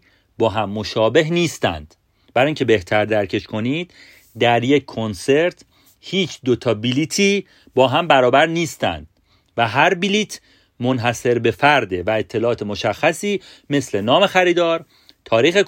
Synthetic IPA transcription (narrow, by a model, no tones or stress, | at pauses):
bɒːɦæmːo̞ʃɒːbe̞ɦniːst̪æ̰nd̪̥ | bæɾːjiŋcʰe̞be̞ht̪ʰæɾd̪æɾcʰe̞ʃkʰo̞niːd̪̥̚ | d̪æɾje̞cʰːonse̞ɾt̪ʰ | hiːt͡ʃʰd̪o̞t̪ʰɒːbiliːt̪ʰiː | bɒːɦæmbæɾɒːbæɾniːst̪æ̰nd̪̥̚ | væɦæɾbiliːt̪ʰ | mo̞nɦæse̞ɾbe̞fæɾd̪e̞væe̞t̪ʰːe̞lɒːt̪ʰe̞mo̞ʃæxːæsiː | me̞sle̞nɒːme̞xæɾiːd̪ɒːɾ | t̪ʰɒːɾiːxe